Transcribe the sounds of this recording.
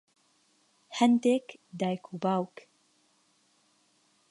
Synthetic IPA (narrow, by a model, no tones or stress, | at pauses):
hɛnd̪eːkd̪aːjkʰubaːwk